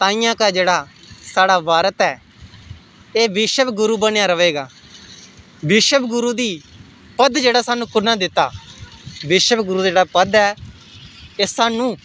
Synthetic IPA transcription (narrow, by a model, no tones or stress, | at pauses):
t̪ãːĩːjãːkaːd͡ʒeːɽaː | saːɽaːʋaːɾət̪ɛː | eːʋɪʃəbɡʊɾuːbənejãːɾəʋeːɡaː | ʋɪʃəbɡʊɾuːd̪iː | pəd̪d͡ʒeːɽaːsaːnũːkʊnãːd̪ɪt̪ːa̰ː | ʋɪʃəbɡʊɾuːd͡ʒeːɽaːpəd̪ɛː | esaːnũː